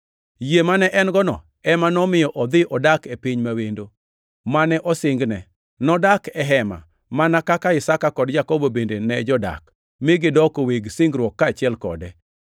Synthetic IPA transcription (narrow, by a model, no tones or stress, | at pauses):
jemanɛʔɛnɡɔnɔ̰ | ɛmanɔmɪjɔʔɔd̪ɪʔɔdakepɪɲmawendo | manɛʔɔsɪŋɡnɛ | nɔdakɛɦɛma̰ | manakakaɪsakakɔdd͡ʒakɔbobendenɛd͡ʒɔda̰k | mɪɡɪdɔkoweɡsɪŋɡɾwɔkːaːt͡ʃɪɛlkɔ̰dɛ